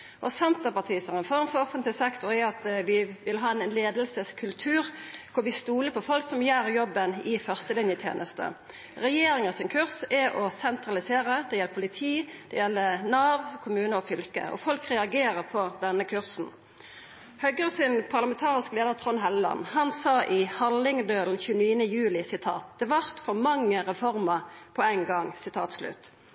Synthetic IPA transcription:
ʔɔsɛnt̪əpɑʁt̪ʰiːsəʁɛnfɔʁmfɔɔfənt̪lɪsɛkt̪ʊɾɛɑt̪ʋɪʋɪlɦɑːɛnnleːd̪əlsəskʰʉlt̪ʰʉːɾkʰʊɾʋɪst̪uːləpʰɔfɔlksɔmjæːɾjɔbːənɪfœʁst̪əlɪnjət̪ʰjḛːnəst̪ə̰ | ɾɛjeːɾɪŋəsɪnkʰʉʁsɛʔɔsɛnt̪ʁɑlɪseːʁəd̪ɛjɛləpʰʊlɪt̪ʰiːd̪̥ɛ̰jɛlːənɑːʋkʰʊmʉːnəɔfʏlkə̰ɔ̰fɔlkʁɛɑɡeːʁəʁpʰɔd̪ɛnːəkʰʉʁsn̩ | hœɡʁəsɪnpʰɑʁlɑmɛnt̪ʰɑːʁɪskleːd̪əʁt̪ʰʁɔnɦɛllɑ̰nhɑnsɑːʔɪhɑlɪŋd̪øːln̩çʉːniːənəjʉːlɪsɪt̪ʰɑ̰ːt̪̚d̪̥ɛʋɑʁt̪fɔʁmɑŋːəʁɛfɔʁməʁpʰɔæɪŋɡɑŋsɪt̪ʰɑ̰ːt̪slʉ̰t̪

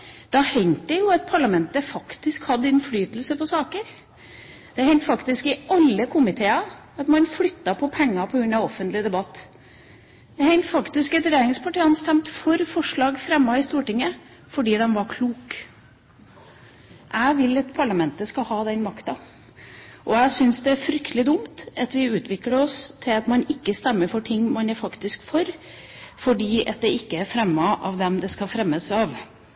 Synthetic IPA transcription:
d̪̥ɑhɛɪnt̪əjʊɑt̪̚pʰɑɭɑmɛnt̪əfɑkt̪ɪskhɑd̪ːəɪnflyːt̪əl̩səpɔsɑːkəɾ | d̪̥ɛhɛɪnt̪fɑkt̪ɪskɪɑlːəkʰʊmɪt̪ʰeːɑ | ɑt̪mɑnflʏt̪ːɑpʰɔpʰɛŋːɑpʰɔɡɾʉnːɑɔfːənt̪lɪd̪ɛbɑt̪ː | d̪̥ɛhɛɪnt̪fɑkt̪ɪskɛt̪ɾɛjæːɾɪŋspʰɑʈiːɑnst̪ɛmt̪fɔɾfɔʂɭɑːɡfɾɛmːɑɪst̪uːʈɪŋːə | fɔɖiːd̪ɛmʋɑɾkʰluːk | ʔæɪʋɪlːɑt̪pʰɑɭɑmɛnt̪əskɑhɑːd̪ɛnmɑkt̪ɑ | ʔɔæɪsʏnsd̪ɛæɾfɾʏkt̪əlɪd̪ʊmt̪ɑt̪ʋɪʉːt̪ʋɪkːləɔst̪ʰːɪlɑt̪mɑnɪkːəst̪ɛmːəɾfɔʈʰɪŋːmɑnæfɑkt̪ɪskfɔɾ | fɔɖiːʔɑt̪̚d̪ɛʔɪkːəæɾfɾɛmːɑʔɑ̰ʋd̪ɛmd̪ɛskɑfɾɛmːəsɑʋ

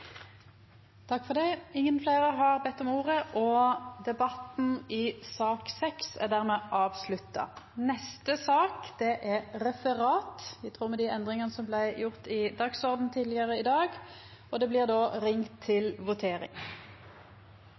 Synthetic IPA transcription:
t̪ʰɑkːfɔʁd̪æɪɪŋːənfleːʁəɦɑʁbɛt̪ːɔmuːʁəʔɔd̪ɛbɑt̪n̩ɪsɑːksɛksæ̰ʁd̪æːʁmɛʔɑːʋslʉt̪ːɑ̰nɛst̪əsɑːkd̪̥ɛʔɛʁɾɛfəʁɑːt̪ʋɪt̪ʰʁuːʁmɛd̪iɛnd̪ʁɪŋɑnəsɔmblæɪjʊʁt̪ɪd̪ɑksɔʁd̪n̩t̪ʰiːd̪lɪəʁəɪd̪ɑːɡ | ɔd̪ɛblɪːʁd̪oːʁɪŋt̪ʰːɪlʋʊt̪ʰeːɾɪ̰ŋ

